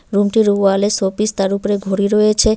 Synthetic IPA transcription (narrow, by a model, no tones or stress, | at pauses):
ɾumʈiɾualesopist̪aɾupoɾeɡʱoɾiɾojet͡ɕʰe